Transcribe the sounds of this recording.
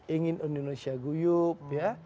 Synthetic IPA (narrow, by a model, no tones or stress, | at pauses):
iŋinunonosiaɡujupja